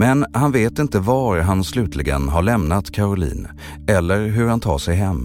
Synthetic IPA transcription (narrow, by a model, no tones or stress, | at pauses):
mɛnhanveːt̪ɪnt̪əvaɾɦanslʉ̟ːt̪ʰlɪɡə̰nɦaɭɛmnat̪kʰaɾʊlḭːn | ɛlːəɾɦɵɾhant̪ʰɑ̰ːʂɛjɦɛmː